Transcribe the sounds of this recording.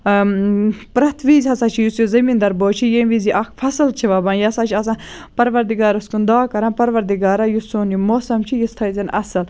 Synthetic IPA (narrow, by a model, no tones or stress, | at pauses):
pɾɐt̪ʰʋiːzʲhɐsaːt͡ʃʰijusjuzɐmĩːnd̪ɐɾboːt͡ʃʰijẽʋiziʔɐkʰfʰɐsɨlt͡ʃʰiʋɐbãːnjɐsãːt͡ʃʰiɐs̬ãː | pɐɾʋɐɾd̪iɡaːɾɐskund̪aːkɐɾãːpɐɾʋɐɾd̪iɡaːɾajusoːnjimoːsɐmt͡ʃʰijist̪ʰɐjzʲɐnɐ̰sɨl